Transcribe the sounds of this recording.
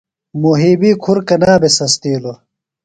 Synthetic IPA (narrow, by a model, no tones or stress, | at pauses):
muɦiːbiːkʰuɾkɐnaːbesɐst̪eːlo